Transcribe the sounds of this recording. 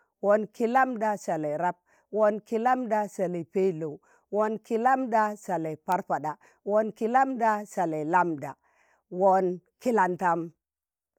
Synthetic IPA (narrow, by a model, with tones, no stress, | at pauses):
wo˨nki˦la˦mda˨sa˨la˨ɾa˦p̚ | wo˦nki˦la˦mda˨sa˨le˨pe˦lo˨ | wo˦nki˦la˦mda˦sa˨le˨pa˦ɾpa˨da˨ | wo˦nki˦la˦mda˦sa˨la˨la˦mda̰˨ | wo˦nki˦la˨nta˦m